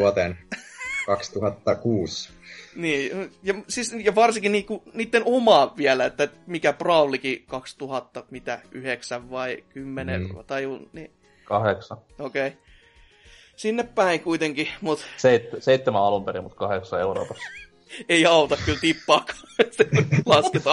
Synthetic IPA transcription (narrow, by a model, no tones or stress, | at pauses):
uot̪enkɑkst̪uhɑt̪ːɑkuːs | niːjɑsisjɑʋɑrsikinniːkuniːt̪ːenomɑːʋʋiælæet̪ːæmikæprɑulikikɑkst̪uhɑt̪ːɑmit̪æ̰ʔyheksæʋʋɑikymːenḛɑ̰t̪ɑjuni | kɑheksɑ | okei | sinːeppæiŋkuit̪eŋkimut̪seit̪ːseit̪ːemæɑlumperḭmut̪kɑheksɑeuro̰ːpɑs | eiɑut̪ɑkkylt̪ipːɑːkʰɑ̥ːselɑsket̪ɑ